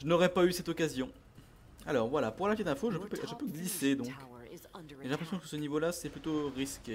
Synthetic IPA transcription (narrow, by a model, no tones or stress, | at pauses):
ʒənɔʁɛpaysɛt̪ɔkazjɔ̃ | alɔːʁvwalapuʁlafed̪ɛ̃foʒəpøpʒəpøɡlised̪ɔ̃k | ʒelɛ̃pχesjɔ̃kə̥sənivolasɛplyt̪oʁiskʲe